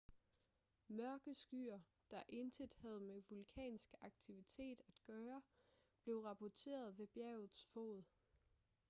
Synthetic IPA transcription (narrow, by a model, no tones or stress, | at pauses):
mɶɐɡ̥əsɡ̥y̰ːɐ | d̥ɑ̈ʔe̝nt͡sʰed̥hæð̞̩ˠmeʋulkʰɛ̰ːnsɡ̥ɑ̈ɡ̥t͡sʰiʋit͡sʰe̝̰ːd̥æd̥ɡ̥ɶːɐb̥le̝ʊʁɑ̈pʰɒt͡sʰe̝̰ːɐð̞ˠʋe̝b̥jɛʊð̩ˠsfo̝̰ːð̩ˠ